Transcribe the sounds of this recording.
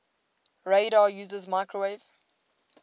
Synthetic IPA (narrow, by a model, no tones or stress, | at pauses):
ɹeɪɾɑjʉːzəzmaɪkʰɹəwev